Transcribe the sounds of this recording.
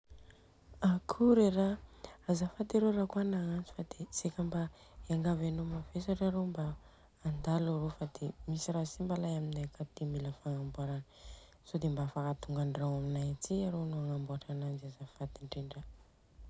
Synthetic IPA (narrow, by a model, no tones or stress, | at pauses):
akʰuɾeraazafat̪iɾoɾakuanaant͡si̥fad̪esekamba | eaŋɡavanomafesaʈ͡ʂaɾombaː | nd̪alaɾofad̪emisiɾasimbalajaminajakad̪̥imiləfaŋambuaɾanə | sod̪embaafakat̪uŋɡaɳrawaminajat͡siaɾonoaŋambuaʈ͡ʂanand͡ʒiazafad̪iɳɖ͡ʐeɳɖ͡ʐə